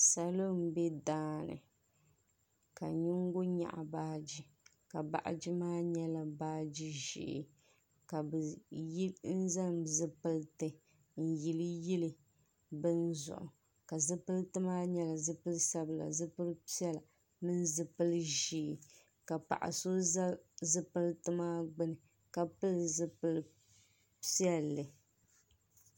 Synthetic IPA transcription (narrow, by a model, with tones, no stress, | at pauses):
sa˨lo˦m˦bɛ˦daː˦nɨ̰˨ | ka̰˨ɲɪ˦ŋ˦ɡʊ˦ɲa̰˨ʔa̰˨baː˦d͡ʒi˦ | ka˨ba̰˨ʔa̰˨d͡ʒi˦maː˦ɲɛ˦la˨baː˦d͡ʒi˦ʒḭ˦˨ʔɪ̰˨ | ka˨bɨ˨ji˦n̩˦za˦mzɨ˦pɨ˦ltɨ˨ | n̩˨ji˨lɨ˦ji˦lɨ˦ | bɨ˦nzʊ̰˨ʔʊ̰˨ | ka˨zɨ˦pɨ˦ltɨ˦maː˦ɲɛ˦la˨zɨ˦pɨ˦lsa˦bɨ˨la̰˨zɨ˦pɨ˦lpɛ˦la˨ | mɨ˦nzɨ˦pɨ˦lʒi˨ | ka˨pa̰˨ʔa̰˨so˦zɨ˦pɨ˦ltɨ˦maː˦ɡ͡bɨ˦nɨ˨ | ka˨pɨ˦lzɨ˦pɨ˦l | pi˦ɛ˦lːɨ˨